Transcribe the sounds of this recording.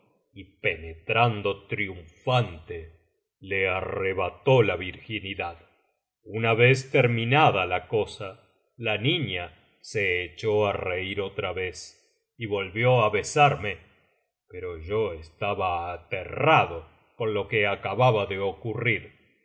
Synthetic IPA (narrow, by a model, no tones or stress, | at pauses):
ipenet̪ɾand̪o̞t̪ɾjuɱfant̪e | leareβat̪o̞laβiɾxiniðað | unaβest̪eɾmĩnaðalakosa | laniɲa | seːt͡ʃoareiɾo̞t̪ɾaβes | iβo̞lβjo̞aβe̞saɾme̞ | peɾo̞ʒoest̪aβaːt̪eraðo | ko̞nlo̞keakaβaβaðe̞okuriɾ